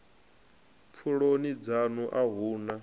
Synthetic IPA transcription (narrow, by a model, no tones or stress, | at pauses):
p̪fʰuɺonid͡zanuʔaɦuːna